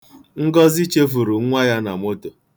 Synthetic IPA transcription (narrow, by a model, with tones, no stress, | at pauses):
ŋ̩˦ɡɔ˦zi˦t͡ʃe˦fu˨ɾu˨ŋ̩˦ŋʷa˦ja˦na̰˨mo˦to˨